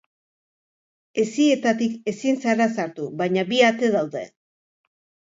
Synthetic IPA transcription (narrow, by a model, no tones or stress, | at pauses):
e̞sie̞t̪at̪ike̞sinsarasaɾt̪uβajɲaβiat̪e̞ðawðḛ